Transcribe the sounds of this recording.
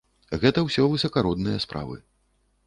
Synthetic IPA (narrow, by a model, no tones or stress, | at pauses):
ɣɛt̪ɐwsʲɔvɨsɐkaɾɔd̪nɨjɐspɾʔa̰vɨ̰